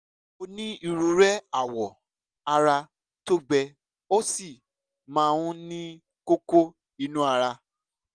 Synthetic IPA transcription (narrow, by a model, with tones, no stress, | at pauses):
o˧nĩ˦i˧ɾu˧˦ɾɛ˦a˦˨wɔ˨ | a˧ɾa˧ | to˦ɡ͡bɛ˧ | o˦si˦˨ | mãː˧˦˧wũ˦nĩ˦ | ko˦ko˦ | i˧nũ˦a˧ɾa˧